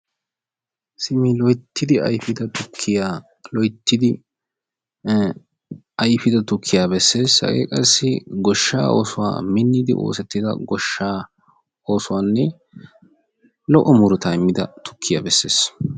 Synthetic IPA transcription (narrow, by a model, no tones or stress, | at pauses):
sɪmɪlɔjt̪ːɪd̪ɪɐ̰jfɪd̪ɐt̪ʊkʰːɪjaː | lɔjt̪ːɪd̪ɪ | ɐjfɪd̪ɐt̪ʊkʰːɪjaːbɛsːe̞ːshɐ̰ɡḛːkʼɐsːɪɡɔʃːa̰ːʔoːsʊwa̰ːmɪnːɪd̪ɪ̰ʔo̞̰ːsɛt̪ːɪd̪ɐ̰ɡɔʃːaː | o̞ːsʊwaːnːɛ | lɔʔɔmʊɾʊt̪aːɪmːɪd̪ɐ̰t̪ʊ̥kʰːɪjaːbɛsːe̞ːs